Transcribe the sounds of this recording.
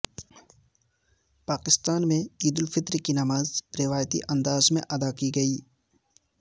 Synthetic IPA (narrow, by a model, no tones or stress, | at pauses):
paːkɪst̪aːnmẽiːd̪ʊlfɪt̪ɾkinɐmaːzɾɪʋaːjt̪ḭʔɐ̃nd̪aːzmḛ̃ʔɐd̪akiɡɐiː